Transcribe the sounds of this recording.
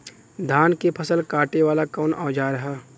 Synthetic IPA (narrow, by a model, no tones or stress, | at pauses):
d̪ʱaːnkepʰɐsəlkaːʈeʋaːlakɔːnaːd͡ʒaːɾɐɦaː